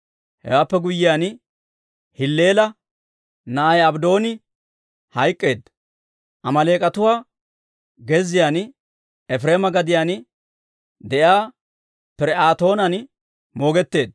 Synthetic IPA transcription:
hɛ̰waːpːɛɡʊjːɪjaːn | hɪlːeːlɐ | nɐjɐbd̪o̞ːnɪ | hɐjkʼːe̞ːd̪ | ʔɐmɐle̞ːkʼɐt̪ʊwaː | ɡɛzɪjaːn | ɛfɾe̞ːmɐɡɐd̪ɪjaːn | d̪ɛjaː | pɪɾɛaːt̪o̞ːnɐn | mo̞ːɡɛt̪ːe̞ːd̪

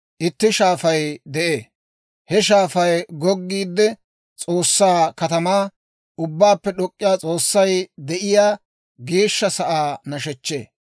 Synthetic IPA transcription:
ʔɪt̪ːɪʃaːfɐjd̪ɛʔeː | hɛʃ̬aːfɐjɡɔɡːiːd̪ːɛ | t͡sʼoːsːaːkɐt̪ɐmaː | ʔʊbːaːpːɛɗɔkʼːɪjaːt͡sʼo̞ːsːɐjd̪ɛʔɪjaː | ɡe̞ːʃːɐsɐʔaːnɐʃɛt͡ʃːe̞̰ː

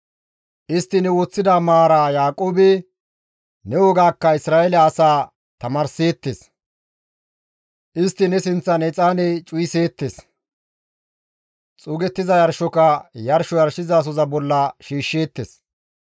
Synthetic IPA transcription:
ʔɪst̪ːɪnɛwoːt͡sːɪd̪aːmaːɾaːjaːkʼoːbɛ | nɛwɔɡaːkːɐɪsɾaːʔɛlɛːsaː | t̪ɐmaːɾse̞ːt̪ːes | ʔɪst̪ːɪnɛsɪnt͡sːɐnɛt͡sʼaːnɛt͡ʃʼʊjɪse̞ːt̪ːes | t͡sʼuːɡɛt̪ːɪzɐjɐɾʃɔkɐjɐɾʃɔjɐɾʃɪzɐːs̬ɔzɐbɔlːɐʃiːʃːe̞ːt̪ːes

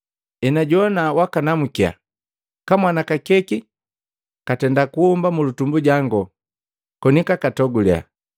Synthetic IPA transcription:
ɛnaɟɔnawakanamukia̰ | kamwanakakɛki | katɛndakuumbamulutumbuɟaŋɡɔ | kɔnikakatɔɡulia̰

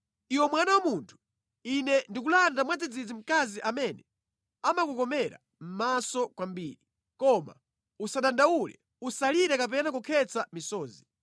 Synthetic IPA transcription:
iwɔmwanawamuntʰu̥ | inɛndikulandamwad͡zid͡zid͡zim̩kaziʔamɛnɛ | amakukɔmɛɾa̰ | m̩masɔkwambiːɾi | kɔma̰ | usaɗandaulɛ̰ | usaliɾɛkap̬ɛnakukʰɛt͡samisɔːzi

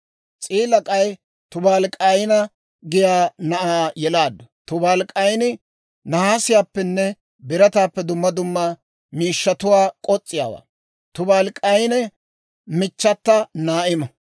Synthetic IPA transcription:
t͡sʼiːlɐkʼɐj | t̪ʊbaːlkʼɐjnɐ | ɡɪjaːnɐʔaːjɛlaːd̪ːɐt̪ʊbaːlkʼɐjnɪ | nɐhaːsɪjaːpːɛnːɛ | bɪɾɐt̪aːpːɛd̪ʊmːɐd̪ʊmːa | miːʃːɐt̪ʊwaːkʼɔt͡sʼːɪja̰ːwa̰ː | t̪ʊbaːlkʼɐjnɛ | mɪt͡ʃːɐt̪ːɐnaːʔɪmɐ

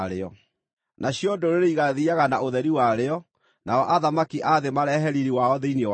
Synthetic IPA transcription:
ɾeɔ | nʔaɕjodoɾeɾeiɣaðiaɣanaoðɛɾiwaɾeɔ | naɔʔaðamakiʔaðemaɾɛɦɛɾiɾiwaɔðeinw

